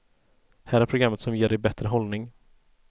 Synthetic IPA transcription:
hæːɾæɾpʰɾʊɡɾamːət̪sɔmjeːɖɛjbɛt̪ɾəɦɔlnɪŋ

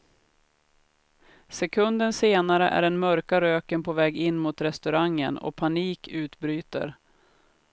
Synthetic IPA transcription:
sɛkʰɵnd̪ənseːnaɾəʔæ̰ɖɛnmœɾkaɾøːkənpʰɔvɛːɡɪnːmuːt̪ɾɛst̪ɵɾaŋːə̰nɔ̰pʰaniːkʰʉ̟ːt̪bɾyːt̪ə̰ɾ

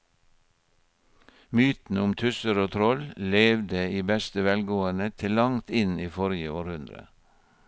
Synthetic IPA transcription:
myːt̪n̩ʊmt̪ʰʉsəɾoːt̪ʰɾɔlleːʋd̪əiːbɛst̪əʋɛlɡoːənət̪ʰɪlɑŋt̪ɪniːfɔɾɪjəoːɾhʉnd̪ɾə̰

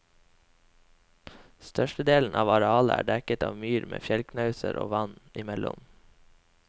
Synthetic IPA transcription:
st̪œʃʈəd̪eːln̩ʔɑːʋɑɾɛɑːləʔæ̰ːɖɛkət̪ɑːʋmyːɾmʔḛːfjɛlknɑʉsəɾʔo̰ːʋɑnɪmɛlʊ̰m

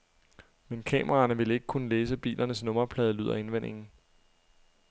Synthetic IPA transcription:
menkʰɛ̰ːmʔɐʁɑ̈ːnəʋe̝le̝ɡ̥əkʰunəleːsəb̥ḭːlʔɐnəsnɔ̽mɐpʰlɛːð̞ˠlyð̞̰ˠɐe̝nʋen̰ʔe̝ŋn̩

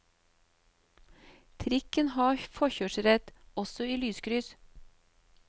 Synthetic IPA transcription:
t̪ʰɾɪkənhɑːfɔçøːʃɾɛt̪ɔsɔiːlyːskɾʏs

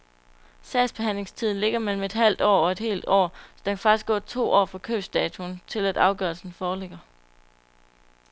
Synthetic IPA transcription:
sɛɪsb̥e̝ɦæn̰le̝ŋst͡sʰið̩ˠle̝ɡ̥ɐmel̰m̩e̝d̥ɦæl̰d̥ɒ̰ːɒe̝d̥he̝̰ːld̥ɒ̰ːsɒd̥ænkʰæ̥fɑ̈ɡ̥isɡ̥ɔ̰̽ːt͡sʰo̝̰ːɒ̰ːfʁɑ̈kʰøːsd̥ɛːt͡sʰunt͡sʰe̝læd̥ɑ̈ʊɡ̥ɶɐlsn̩fɒːleɡ̥ɐ

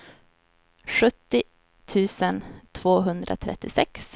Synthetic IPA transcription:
ɧɵt̪ːɪ | t̪ʰʉ̟ːsənt̪ʰv̥oːɦɵnd̪ɾʔa̰t̪ʰɾɛ̰t̪ːɪsɛks

